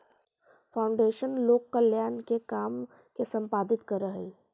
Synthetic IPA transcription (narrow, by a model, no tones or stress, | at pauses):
fʰaːʊ̃ɳɖeːʃənloːɡəljaːnkekaːm | kesɐ̃mpaːd̪ɪt̪kɐɾːəɦeː